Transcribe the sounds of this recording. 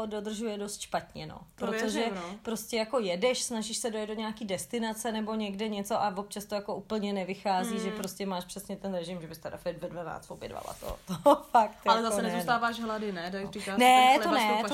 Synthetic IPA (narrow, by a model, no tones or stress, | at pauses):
do̞dr̩ʒujɛdo̞st̪ʃpat̪ɲɛno̰pɾot̪oʒɛpɾo̞scʲɛjako̞jɛdɛʃsnaʒiʃsɛdojɛt̪doɲɛakiːdɛst̪ɪnat͡sɛnɛbo̞ɲɛɡdɛɲɛt͡so̞ʔavop̚t͡ʃast̪o̞jako̞ʔuːpl̩ɲɛnɛvɪxaːziːʒɛpɾoscɛmaːʃpr̥ɛsɲɛt̪ɛnɾɛʒɪmʒɛbɪst̪ɛɾa̰fɛd̪vɛdvana̰ːt͡st̪vobjɛ̰dva̰la̰t̪o̰t̪ofak̚t̪jalɛzasɛnɛzut̪aːvaːʃɦladɪnɛdarɪkaːnɛtlonɛt̪